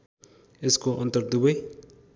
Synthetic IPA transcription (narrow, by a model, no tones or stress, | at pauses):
eskoʔʌnt̪ʌɾd̪ubʌj